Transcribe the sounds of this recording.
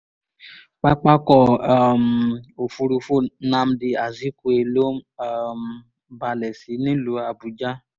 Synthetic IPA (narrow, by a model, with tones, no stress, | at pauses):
k͡pa˦k͡pa˦kɔ˦˨a˨mo˨fu˧ɾu˧fu˦nã˦m˦di˧a˨zi˨˦ku˧˦e˧lo˦a˧m˨ | ba˧lɛ˨si˨˦nĩ˦lu˨˦a˧bu˧d͡ʒa˦